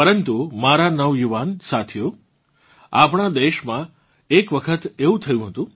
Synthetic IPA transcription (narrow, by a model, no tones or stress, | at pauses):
pəɾənt̪umaɾanəʋjuʋansat̪ʰijo | apɳ̃ad̪eʃmã | ekʋəkʰət̪eũt̪ʰəjũɦət̪ũ